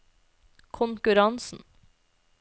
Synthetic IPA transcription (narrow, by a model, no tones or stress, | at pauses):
kʰʊŋkʉɾɑnsn̩